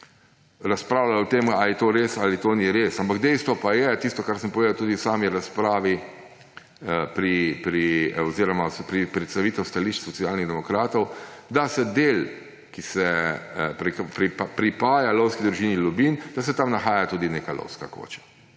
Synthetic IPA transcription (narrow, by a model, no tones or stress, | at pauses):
ɾaspɾaːwlaɔt̪eːmalijɛt̪oːɾesalit̪oniɾeːsampaɡd̪ɛjst̪ʋɔpajɛt̪ist̪ɔkaɾsəmpɔʋeːd̪awt̪uːd̪iwsaːmiɾaspɾaːʋi | pɾipɾioziɾɔmaspɾipɾɛt̪st̪aʋiːt̪ɛwst̪aliːʃt͡ʃsɔtsijaːlniɣd̪ɛmɔkɾaːt̪ɔwd̪asɛd̪eːl | kisɛpɾkpɾipɾipaːjalɔwskid̪ɾuʒiːnilɔbiːnd̪̥asɛt̪amnaxaːjat̪uːd̪ineːkalɔ̰wska̰ko̰ːt͡ʃḁ